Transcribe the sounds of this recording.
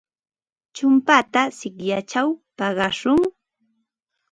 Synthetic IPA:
t͡ʃʊmpat̪asɪkjat͡ʃawpɑɢɑʃʊŋ

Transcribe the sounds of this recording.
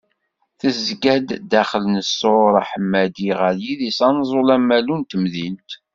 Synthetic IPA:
θəzɡæd̪d̪æχələnəsːoɾˤaħəmːæd̪iʁəɾjiðisɑnzˤolæmːælunt̪əmðilt̪

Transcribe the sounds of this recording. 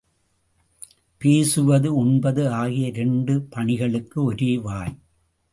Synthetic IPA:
peːsɯʋɐðɯʊɳbɐðɯaːɣɪjɐɾɛɳɖɯpɐɳɪɣɐɭɯkːɯɔɾeːʋaːj

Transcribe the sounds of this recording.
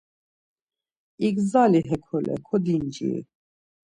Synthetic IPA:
ikzaliɦɛkʰɔlɛ̰kʰɔd̪ind͡ʒḭ

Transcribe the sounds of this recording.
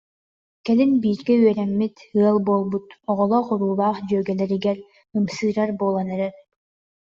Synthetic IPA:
kɛlinbiːɾɡɛyœɾɛmːit̪ɯɐlˠbuɔlˠbut̪ɔʁɔlˠɔχuɾuːbaːχd͡ʑœːɡɛlɛɾiɡɛɾ | ɯmsɯːɾaɾbuːlˠɔnɛɾɛɾ

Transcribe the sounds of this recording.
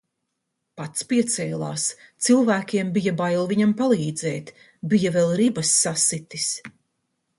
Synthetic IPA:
pat̪spiɛt̪sɛːlˠa̰ːst̪sɨlˠvæːkʲiɛmbijabajlˠviɲampalˠiːd̪zɛːt̪ | bijavɛlˠɾibɐsːasit̪is

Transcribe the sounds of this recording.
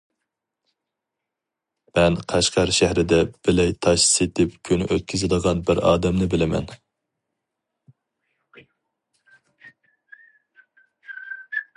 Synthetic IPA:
mɛnqʰæʃqɑɾʃæhɾɪd̪ɛb̥ɪlɛjt̪ʰɑʃset̪ʰɪpkʲʰynyʔøt̪̚kʲʰyzɨd̪əʁɑnbɪɾɑ̰ːd̪ɛmnɪbɪlɪmɛ̰n

